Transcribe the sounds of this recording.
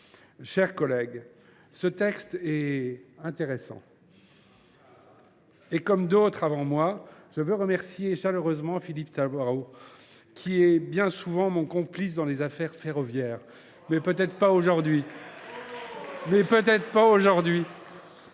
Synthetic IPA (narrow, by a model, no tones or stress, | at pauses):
ʃɛʁkɔlɛɡ | sət̪ɛkst̪ɛɛ̃t̪eʁesɑ̰̃ | ekɔmd̪ot̪χavɑ̃mwaʒ̥əvøʁəmɛʁsjeʃaløʁøzmɑ̃filipt̪abwaʁo | kʲʰiɛbjɛ̃suvɑ̃mɔ̃kɔ̃plis̬d̪ɑ̃lezafɛʁfeʁɔvjɛːʁ | mɛpøt̪ɛt̪χpaoʒuʁd̪ɥi | mɛpøt̪ɛt̪χpaoʒuʁd̪ɥi